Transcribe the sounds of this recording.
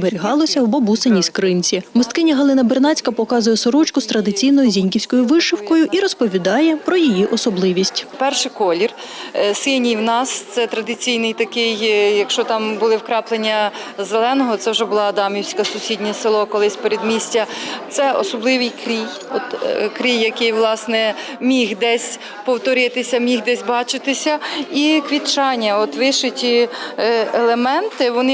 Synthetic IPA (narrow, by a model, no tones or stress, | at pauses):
beɾʲiɦɑlˠɔsʲɐbɔbusenʲiskɾɪnʲt͡sʲimɔst̪kɪnʲiɦɐlˠɪnɐbernɑt͡sʲkɐpɔkɑzʊjɛsɔɾɔt͡ʃkʊst̪ɾɐd̪ɪt͡sʲijnɔjʊzʲinʲkʲiwsʲkɔjʊʋɪʃɪwkɔjʊʔiɾɔspɔʋʲid̪ɑjɛpɾɔjijiʔɔsɔblˠɪʋʲisʲtʲpɛrʃɪkɔlʲir | sɪnʲijwnɑst̪sɛt̪ɾɐd̪ɪt͡sʲijnɪjt̪ɐkɪjjɐkʃt͡ʃɔt̪ɑmbʊlˠɪwkɾɑplˠenʲːɐ | zelˠɛnɔɦɔt̪sɛwʒɛbʊlˠɑːd̪ɑmʲiwsʲkɐsʊsʲidʲnʲɛsɪlˠɔkɔlˠɪsʲpeɾʲed̪mʲisʲtʲɐt̪sɛɔ̰sɔblˠɪʋɪjkɾʲij | ɔt̪kɾʲijːɐkɪjʋlˠɑsnɛ | mʲixd̪ɛsʲ | pɔwt̪ɔɾɪt̪ɪsʲɐmʲixd̪ɛsʲbɑt͡ʃɪt̪ɪsʲɐikʋʲit͡ʃɑnʲːɐɔt̪ʋɪʃɪtʲi | elˠemɛnt̪ɪʋɔnɪ